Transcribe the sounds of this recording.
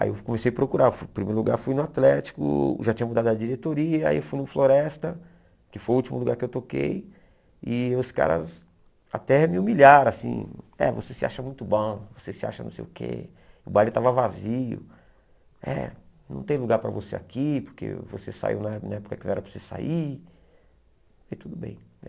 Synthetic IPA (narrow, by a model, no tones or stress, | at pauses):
a̰iewkõmesejapɾokuɾafupɾimeɾʊluɡa̰ɾfujnʊat̪lɛt͡ʃi̥kʊ̰ʒat͡ʃĩɲɐmud̪ad̪ʊɐd͡ʒiɾet̪oɾiɐa̰iewfujnʊfloɾɛst̪ɐ | kɪfojʊut͡ʃimʊluɡaɾkɪewt̪okḛj | ɪʊska̰ɾɐ̰z | a̰t̪ɛmɪumiʎaɾõasḭ̃ɛ̰vosesɪa̰ʃɐmũj̃t̪ʊbõvosesɪa̰ʃɐnɐ̃sḛjʊkʰḛ | ʊbalɪt̪avɐvaziʊ̰ | ɛ̰nɐ̃w̃t̪ẽj̃luɡaɾpɾɐvoseakipoɾkḛvosesa̰ḭwnɐɛnɐɛpʊ̥kɐkɪñɛɾɐpɾesezsa̰i | it̪ud̪ʊbḛ̃j̃ɛ